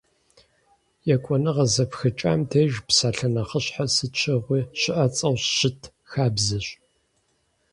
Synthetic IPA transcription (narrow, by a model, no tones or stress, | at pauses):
jɛkʷʼɔnɨʁɐzɐpxɨt͡ʃʼa̰ːmtʰeːʒpsaːɬɐnɐχəɕħasɨt͡ʃʰɪʁʷiːɕɪʔɐt͡sʼɐwɕɕɪtʰ | xaːbzɨɕ